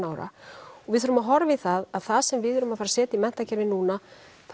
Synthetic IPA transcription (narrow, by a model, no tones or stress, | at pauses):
nawɾa̰ɔɣvɪðθœɾʏmaɦɔɾvɪθaðaðθaðsɛmvɪðʏɾʏmafaːɾasɛːt̪ɪimɛn̥t̪acɛɾvɪnuːna | θ